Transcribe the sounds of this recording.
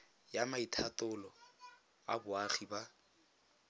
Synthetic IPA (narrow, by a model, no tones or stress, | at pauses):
jamaitʰatʊlɔ | abʊaχiba